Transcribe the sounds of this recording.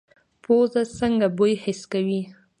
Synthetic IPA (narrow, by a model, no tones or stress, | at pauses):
pozasəŋɡabojhɪskawi